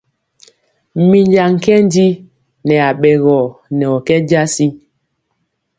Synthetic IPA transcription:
mi˨ɲd͡ʒa˨ŋ̩˨kɛ˦n˦di˦ | nɛ˨a˨ɓɛ˨ɣɔ˨nɛ˨ɔ˨kɛ˦d͡ʒa˦si˦

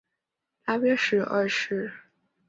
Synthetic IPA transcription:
t̪a˥˩pjɛ˥ʂɻ̩˥˧ʔɐ̰˥˧ʂɻ̩˥˩

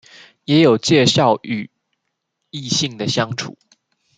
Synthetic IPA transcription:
jɛ˧˥jo˨˩ʊt͡ɕjɛ˥˧ʂɑ˥˩ʊy˨˩ | i˥˧ɕi˥˩ŋd̪ə˨ɕjɑ˥ŋʈ͡ʂʰṵ˨˩˦

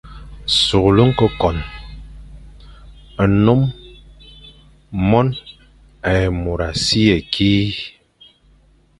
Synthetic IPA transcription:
su˨ɣlu˦ŋ̩˦kɔ˦kɔ˨n | ə˨no˦m | ɔ˦n | ɛ˨mo˨ɾa˨si˦e˨kʰiː˦

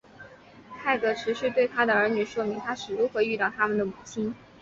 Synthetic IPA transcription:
t̪ʰa˥˩ɪkɤ˧˩ʈ͡ʂʰɻ̩˧˥ʂɻ̩˥˧t̪we˥˩ɪt̪ʰa˥d̪ə˨ə˞˧˥ny˨˩ʂwɔ˥mi˧˥ŋt̪ʰa˥ʂɻ̩˨˩ɻu˧˥xwɤ˧˥y˥˧t̪ɑ˥˩ʊt̪ʰa˥mə˨nd̪ə˩mu˨˩t͡ɕʰi˥n

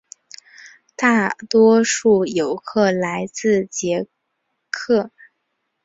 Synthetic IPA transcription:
t̪a˥˩t̪wɔ˥ʂu˥˩jo˨˩ʊkʰɤ˥˩la˧˥ɪt͡sɹ̩˥˩t͡ɕjɛ˧˥ | kʰɤ˥˩

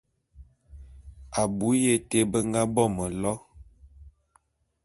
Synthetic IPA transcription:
a˨bu˨˦je˦˨te˦bə˦ŋ˦ɡa˦bɔ˦mə˨lɔ˦

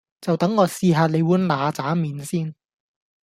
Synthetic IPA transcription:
t͡sɐ˨wt̪ɐ˨˥ŋːɔː˧siː˨˧ɦaː˨˧le˨˧jwuː˨˥nlaː˨˧t͡saː˨˥miː˨˧nsiː˥n

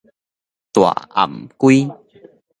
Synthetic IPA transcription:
t̪wa̰˨˩ʔa̰˨˩mkwi˦

